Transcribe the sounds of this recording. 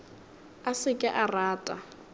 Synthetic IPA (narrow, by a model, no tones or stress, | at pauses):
asɪkʼɪʔaraːtʼa